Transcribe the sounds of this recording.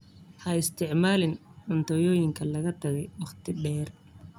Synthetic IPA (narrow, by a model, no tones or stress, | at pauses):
hɐɪst̪ʰɪʕmaːlɪnʕʊnt̪ʰɔjɔːjɪŋkʰɐlɐɣɐt̪ʰɐɣɛjwɑχt̪ʰɪɖɛːr